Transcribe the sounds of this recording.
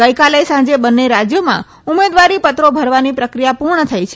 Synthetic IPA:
əjkalesãd͡ʒebənːeɾad͡ʒjomã̰ | umed̪ʋaɾipət̪ɾobʱəɾʋanipɾəkɾijapuɾɳət̪ʰajt͡ʃʰe

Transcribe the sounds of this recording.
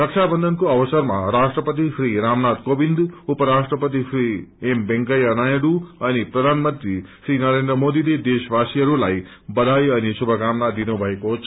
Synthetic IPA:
ɾʌkt͡ʃʰabʌnd̪ʱʌnkoʌwʌsʌrmaɾasʈrʌpət̪isɾiɾamnat̪̚kobind̪upʌɾasʈrʌpʌt̪̬isʰɾiembeŋkʌjʌnajeɽuʌnipɾʌd̪ʱanmʌnt̪ɾisɾinʌɾend̪rəmod̪iled̪esʋasiʌɾulaj | bʌd̪ʱajʌnisubʱʌkamnad̪inubʱʌeko

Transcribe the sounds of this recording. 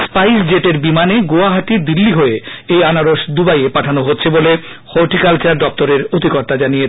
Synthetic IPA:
spajsd͡ʑeʈeɾbimaneɡoaɦaʈid̪ilːiɦoeejanaɾoʃd̪ubajepaʈʰanoɦotːɕʰebole | hoɾʈikalt͡ɕaɾɖɔp̚t̪oɾeɾot̪ikoɾt̪ad͡ʑanije

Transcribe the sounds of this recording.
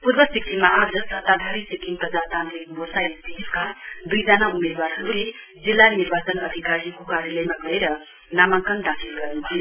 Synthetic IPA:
puɾbʌsikʰimaʔad͡zʌsʌt̪ad̪ʱaɾisikʰiŋpʌd͡zat̪ant̪ɾik̚mosaist̪ʰit̪iskad̪ujd͡zanaumed̪waɾɦʌɾule | d͡zilːaniɾbat͡sʌnʌd̪ʱikaɾjikokaɾjʌləjmaɡʌeɾʌ | namakand̪akʰilɡʌɾenuɦʰi

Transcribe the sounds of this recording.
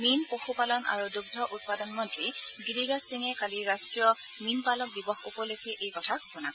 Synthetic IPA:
minpoxupalɔna̰ɹuduɡ̚dʱɔʔut̚padɔnmɔntɹiɡidiɡasiŋɛkaliɹastɹijɔ | minpalɔk̚dibɔxṵpɔlekʰɛʔejkɔtʰakɔpɔnak

